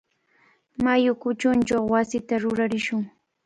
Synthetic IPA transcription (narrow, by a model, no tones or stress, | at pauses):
majʊkʊt͡ʃʊnt͡ʃawwasɪt̪aɾʊɾaɾɪʃʊŋ